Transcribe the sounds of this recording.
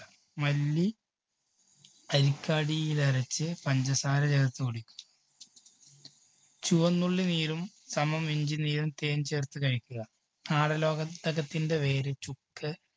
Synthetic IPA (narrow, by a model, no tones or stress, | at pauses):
mɐlːi | ɐɾikʲːaːɽijilɐɾɐt͡ɕːɨpɐɲd͡ʑɐsaːɾɐd͡ʑɐɣɐt̪ːɨkoɽikʲːu̥m | t͡ɕuʋɐnːuɭːiniːɾum | sɐmɐmiɲd͡ʑiniːɾumt̪e̞ːnt͡ɕe̞ːrt̪ːɨkɐɻikʲːuɣɐ | aːɽɐlo̞ːɡɐt̪ːɐɣɐt̪ːinde̞ʋe̞ːɾet͡ɕukːɨ